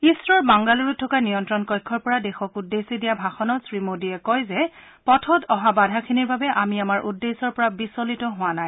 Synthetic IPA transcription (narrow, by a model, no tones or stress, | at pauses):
isɹɔɹbaŋɡaluɹutʰːɔkanijɔntɹɔnkɔjkʰːɔɹpɔɹadɛxɔkudːesidijabʱaxɔnɔsɹimodiɛkɔjzɛ | pɔtʰɔtɔɦabadʱakʰiniɹbabɛʔamiamaɹʔudːesɔɹpɔɹabisɔlitɔɦʊwanaj